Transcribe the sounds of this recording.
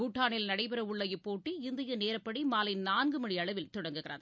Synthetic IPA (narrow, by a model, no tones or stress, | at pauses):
kuːʈːaːɳɪlnɐɽɐɪpɐɾɐʊɭːɐjɯpːoːʈːiɪnd̪ɪjɐneːɾɐpːɐɽimaːlɪnnaːnɡɯmɐɻiɐɭɐʋɪlt̪ʊɽɐŋɡɯɣɪrɐ̰ð